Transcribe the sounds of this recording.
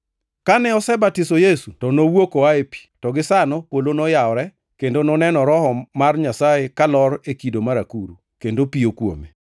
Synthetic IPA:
kanɛɔsɛbatisɔjesutɔnowokoaepi̥tɔɡɪsanɔpwolonɔjaɔɾɛ | kendonɔnɛnɔɾɔhɔmarɲasajekalɔɾekidomaɾakuɾṵ | kendopiokwo̰mḛ

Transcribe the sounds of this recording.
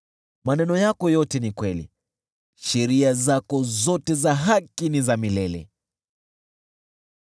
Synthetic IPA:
manɛnɔjakɔjɔtɛnikwɛlḭ | ʃɛɾiazakɔzɔtɛzaɦakinizamilɛlɛ̰

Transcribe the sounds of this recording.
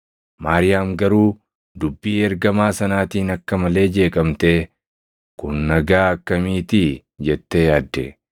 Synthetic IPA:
maːɾɪjaːmɡɐɾuː | d̪ʊbːiːɛɾɡɐmaːsɐnaːt̪iːnɐkːɐmɐle̞ːd͡ʒe̞ːkʼɐmt̪eː | kʊnːɐɡaːɐkːɐmiːt̪i | d͡ʒɛt̪ːejaːd̪ːɛ

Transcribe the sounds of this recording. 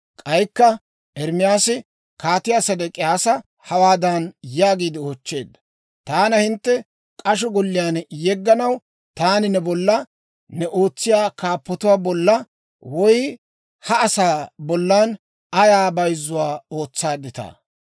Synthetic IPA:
kʼɐjkːɐ | ʔɛɾmɪjaːsɪ | kaːt̪ɪjasɐd̪ɛkʼɪjaːsɐ | hɐwaːd̪ɐnjaːɡiːd̪ɪoːt͡ʃːe̞ːd̪ːɐ | t̪aːnɐhɪnt̪ːɛ | kʼɐʃɔɡɔlːɪjaːnjɛɡːɐnɐw | t̪aːnɪnɛbɔlːɐ | nɛʔo̞ːt͡sːɪjaːkaːpːɔt̪ʊwaːbɔlːɐ | wɔj | hɐːsaːbɔlːan | ɐjaːbɐjzːʊwaːoːt͡sːaːd̪ɪt̪a̰ː

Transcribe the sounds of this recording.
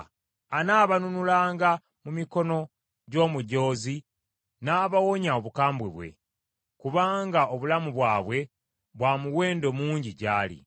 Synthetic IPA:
anaːβanunulaːŋɡa | mumiko̞no̞ | ɟo̞ːmuɟo̞ːzi | naːβawo̞ɲaoβukaːmbweβwe̞̰ | kuβaːŋɡao̞βulamuβwaːβwe̞ | βwaːmuwe̞ːndo̞muːɲɟiɟaːlḭ

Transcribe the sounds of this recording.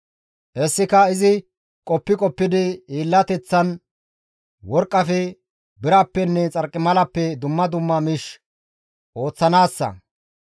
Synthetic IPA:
ʔɛsːɪkɐɪzɪ | kʼɔpːɪkʼɔpːɪd̪ɪiːlːɐt̪ɛt͡sːɐn | wɔɾkʼːɐfɛ | bɪɾɐpːɛnːɛt͡sʼɐɾkʼːɪmɐlɐpːɛd̪ʊmːɐd̪ʊmːɐmiʃ | ʔo̞ːt͡sːɐnaːsːɐ̰

